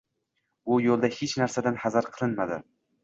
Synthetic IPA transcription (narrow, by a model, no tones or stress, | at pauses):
ʊjolˠd̪ahet͡ʃnaɾsad̪anhazaɾqʰɨlˠɪnmad̪ɪ̰